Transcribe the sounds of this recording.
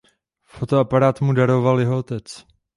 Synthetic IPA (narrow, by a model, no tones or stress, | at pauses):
fot̪oapaɾaːt̪mudaɾo̞valjɛɦoot̪ɛt͡s